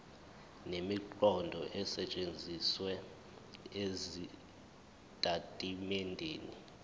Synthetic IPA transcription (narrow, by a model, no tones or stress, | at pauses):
nemiǃɔndʱɔʔɛsɛt͡ʃʼend͡zʱiswɛ | ezi | tʼatʼimɛndʱeːni